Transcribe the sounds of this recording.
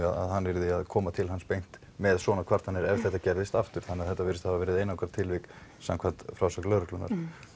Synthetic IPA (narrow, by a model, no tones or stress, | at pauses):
aða̰ðɦanːvɛɾðɪaðkʰɔːmat̪ʰɪlɦanspejn̥t̪ | mɛðsɔːnakʰv̥aɾ̥t̪hanːɛɾɛvθɛht̪ːacɛɾðɪst̪aft̪ʏɾ̥θanːɛaðθɛt̪avɪɾɪst̪ahavavɛːɾɪðejnakʰvaɾt̪ʰːɪlvɪksa̰mkʰvant̪fɾaːwsak̪lœːɾʏklʏnːa̰ɾ̥